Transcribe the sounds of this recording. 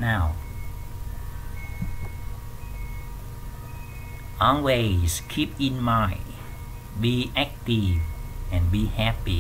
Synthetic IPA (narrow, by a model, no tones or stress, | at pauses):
naʊ | ʔɔlwez̥kʰipɪ̃nmaɪ | biʔɛk̚tivɛ̃nbihæpi